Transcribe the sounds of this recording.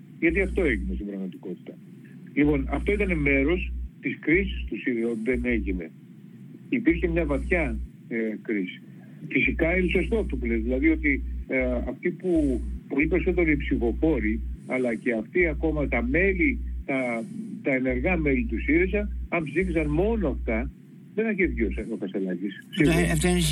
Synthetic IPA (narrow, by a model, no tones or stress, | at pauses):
ʝɐt̪iɐft̪o̞eʝinest̪ibɾɐɣmɐt̪iko̞t̪i̥t̪ɐ | lipo̞nɐft̪o̞it̪ɐne̞me̞ɾo̞st̪iskɾisi̥st̪usiɾonðe̞ne̞ʝine̞ | ipiɾçe̞mɲɐvɐt̪çɐ | ekɾisi̥ | fisikɐinusost̪ot̪upulezðilɐðio̞t̪i | ɐft̪ipupolipe̞ɾiso̞t̪e̞ɾoipsifo̞fo̞ɾiɐlɐce̞ɐft̪iɐko̞mɐt̪ɐme̞lit̪ɐt̪ɐene̞ɾɣɐme̞lit̪usiɾisɐnɐmpzifisɐnmo̞no̞ɐft̪ɐ | ðe̞nɐçeðʝosɐnokɐst̪e̞lɐʝissit̪